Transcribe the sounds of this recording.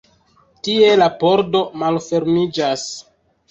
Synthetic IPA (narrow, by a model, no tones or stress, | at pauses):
tie̞lapoɾdo̞malfe̞ɾmid͡ʒas